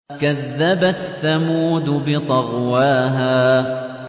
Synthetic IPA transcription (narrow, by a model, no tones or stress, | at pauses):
kaðːabaθːamuːd̪ʊbɪt̪ˤɑɣwaːɦaː